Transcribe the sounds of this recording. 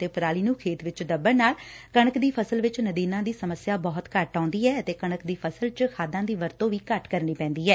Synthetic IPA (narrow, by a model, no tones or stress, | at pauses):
t̪eːpʰəɾaːliːnũːkʰeːt̪ʋɪt͡ʃd̪əbːəɾnaːlkəɳəkd̪iːpʰəsəlʋɪt͡ʃnəd̪iːnãːd̪iːsəməsjaːbɔːt̪kəʈːaːʊ̃nd̪iːɛːət̪eːkəɳəkd̪iːpʰəsəlt͡ʃkʰaːd̪ãːd̪iːʋəɾt̪õːʋiːkəʈkəɾniːpɛ̃ːnd̪iːɦɛː